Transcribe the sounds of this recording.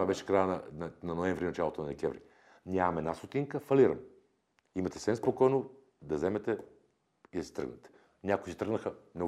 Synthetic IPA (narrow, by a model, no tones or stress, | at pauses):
vabɛʃɛ̥kɾajənɐnnɐnoɛɱvɾinɐt͡ʃalˠot̪onɐd̪ɛkʲɛvɾḭ | nʲamɐmɛd̪nast̪ot̪iŋkəfɐliɾə̰m | imɐt̪ɛ̥sɛnspokɔjno | d̪ɐzɛmɛt̪ɛ | id̪ɐsi̥t̪ɾə̰ɡnɛt̪ɛ̥ | nʲakʊisit̪ɾəɡnəxəmno